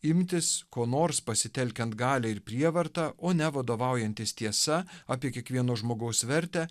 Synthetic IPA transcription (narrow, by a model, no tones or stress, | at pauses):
ɪmʲt̪ʲɪskoːnoːɾspɐsʲɪt̪ʲɛlʲkʲɛnt̪ɡɑːlʲɛɪɾpʲɾʲiɛʋɐɾt̪ɑːʔoːnʲɛʋɐd̪oːʋɑˑʊjɛnʲt̪ʲɪst̪ʲiɛsɐɑːpʲiɛkʲiɛkʋʲiɛnoːʒmoːɡɐʊsʋʲɛɾʲt̪ʲæː